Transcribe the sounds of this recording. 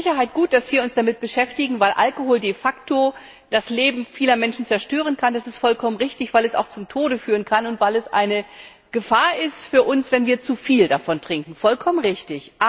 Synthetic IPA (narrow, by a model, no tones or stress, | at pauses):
ɪçɐɦaɪt̚ɡ̥uːt̚d̥asv̥iːɐʊnsd̥amɪt̚b̥əʃɛftɪɡŋ̩vaɪlʔa̰lkohoːldeːfakto | d̥asleːbm̩fiːlɐmɛnʃn̩t͡sɛɐʃtøːʁ̞ənkʰandasɪstfɔlkʰɔmənʁɪçtɪçv̥aɪlɛsa̰ʊxt͡sʊmtʰoːɾəfyːʁ̞ənkʰanʊntv̥aɪlɛsʔa̰ɪnə | ɡ̥əfaːɐʔɪstfyːɐʔʊnsv̥ɛnviːɐt͡sufiːldafɔntʁ̥ɪŋkŋ̩fɔlkʰɔmənʁɪçtɪçʔ